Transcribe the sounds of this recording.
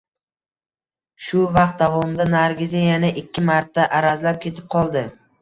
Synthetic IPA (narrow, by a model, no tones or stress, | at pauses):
ʃʊvɑq̚t̪̚d̪avɒmd̪anaɾɡʲɪzejanɪʔɪkʲːɪmaɾt̪ʰːaʔaɾazlap̚kʲʰe̞t̪ʰɪ̥p̚qʰɒlˠd̪ɪ